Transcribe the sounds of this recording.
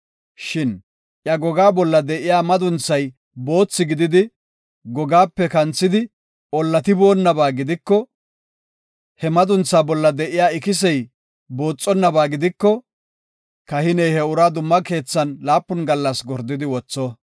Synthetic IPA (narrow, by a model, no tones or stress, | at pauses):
ʃɪn | ʔjɐɡɔɡaːbɔlːɐd̪ɛʔɪjaːmɐd̪ʊnt͡sːɐj | bo̞ːt͡sːɪɡɪd̪ɪd̪ɪ | ɡɔɡaːpːɛkɐnt͡sːɪd̪ɪ | ɔlːɐt̪ɪbo̞ːnːɐbaːɡɪd̪ɪkːɔ | hɛmɐd̪ʊnt͡sːaːbɔlːɐd̪ɛʔɪjaːɪkɪs̬ɛj | boːt͡sʼːɔnːɐbaːɡɪd̪ɪkːɔ | kɐhɪnɛjhɛʊɾaːd̪ʊmːɐke̞ːt͡sːɐnlaːpːʊnɡɐlːɐsɡɔɾd̪ːɪd̪ɪwɔt͡sːɔ